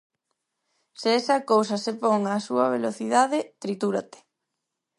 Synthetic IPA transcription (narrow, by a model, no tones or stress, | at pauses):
seɛsɐkowsɐsepoŋasuɐβeloθiðaðet̪ɾit̪uɾat̪e̥